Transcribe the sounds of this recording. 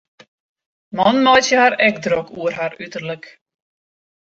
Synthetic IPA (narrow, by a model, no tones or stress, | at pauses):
mɔnmɔjsjəhaɾɛkdrokʰuərɦaɾytərlək